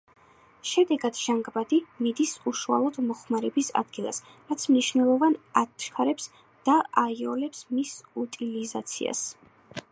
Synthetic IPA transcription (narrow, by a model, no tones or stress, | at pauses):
ʃɛd̪ɛɡad̪ʒ̥aŋɡbad̪imid̪isuʃua̰lˠɔd̪mɔχmaɾɛbisa̰d̪ɡilˠa̰s | ɾat̪sʰmniʃvnɛlˠɔvanatʃkʰaɾɛps | d̪̥aʔaiɔlɛpsmisut̪ʼiliza̰t̪sʰḭa̰s